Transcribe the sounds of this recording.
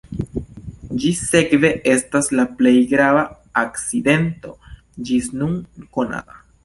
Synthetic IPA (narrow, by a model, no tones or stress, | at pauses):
d͡ʒise̞kve̞ʔe̞staslaple̞jɡɾavaː | kt͡side̞nto̞ | d͡ʒisnunkona̰ta